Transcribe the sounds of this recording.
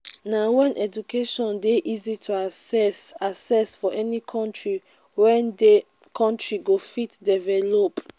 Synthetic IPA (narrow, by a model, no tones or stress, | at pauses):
nawɛ̃nʔɛd͡ʒukʰeʃɔ̃ndeʔizitʰuasasɛsfɔʔɛnikʰɔ̃ntɹi | wɛ̃nde | kʰɔ̃ntɹiɡofitdɛvɛlop